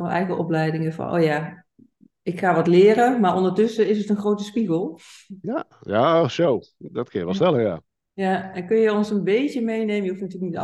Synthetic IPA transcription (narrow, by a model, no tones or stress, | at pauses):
ənɛ̰jɣəʔɔplɛjdɪŋəfɑ̰nʔo̰ːja | ɪkxaːʋɔtlɪːɾəmaːɹʔɔndəɹtʏsəɪsətənxrowtəspiɣəlˠjajasowdɑtkənjəʋɛlˠstɛləja̰ː | jaɛnkɵnjəɔnsənbejtjəmejnejməjəɦufnatyːləknit